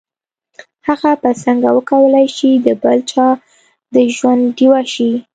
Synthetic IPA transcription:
haɣapəsaŋɡawəkawəlajʃid̪əbalt͡ʃɑ | d̪əʒwand̪ɖiwaʃi

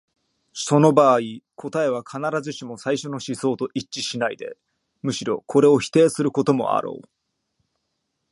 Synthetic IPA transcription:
so̞no̞baːikʰo̞t̪ae̞β̞akʰanaɾazɨɕimo̞saiɕo̞no̞ɕiso̞ːt̪o̞ʔit͡ɕt͡ɕiɕinaid̪e̞̰ | mɯ̟ɕiɾo̞kʰo̞ɾe̞o̞çi̥t̪e̞ːsɨɾɯ̟ko̞t̪o̞mo̞̰a̰ɾo̞̰ː

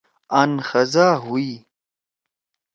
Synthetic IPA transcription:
anxɐzaːɦui

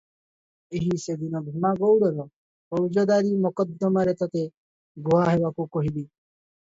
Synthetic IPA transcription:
eɦised̪inɔbʱimaɡowɽɔɾɔ | ɔɾd͡ʒɔd̪aɾimɔkɔd̪ːɔmaɾet̪ɔt̪e | ɡoɦaɦebakukɔɦibi

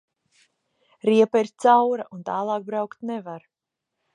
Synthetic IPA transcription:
ɾiɛpaiɾt̪sawɾaʔunt̪aːlˠɑːk̚bɾawkt̪nevaɾ

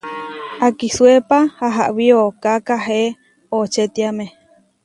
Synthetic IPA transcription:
akisuepahaɦa̰ʔwiokakaɦe | ot͡ʃet̪iame

